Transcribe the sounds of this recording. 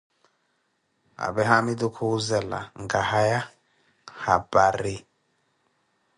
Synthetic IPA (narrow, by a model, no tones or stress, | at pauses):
a̰bɛɦamidukʰuuzɛla̰ŋɡahaja | habaɾi